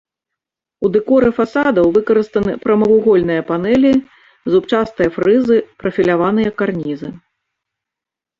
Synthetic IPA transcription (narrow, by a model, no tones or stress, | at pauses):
ud̪ɨkɔɾɨfasad̪ɐwvɨkɐɾɨst̪ɐnɨpɾɐmɐvuɣɔlʲn̪ɨjɐpanɛlʲi | zupt͡ʂast̪ɨjɐfɾɨzɨpɾɐfʲilʲavan̪ɨjɐkarnʲizɨ